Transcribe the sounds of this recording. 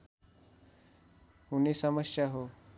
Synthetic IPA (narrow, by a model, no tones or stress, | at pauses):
hunisəməsjaɦo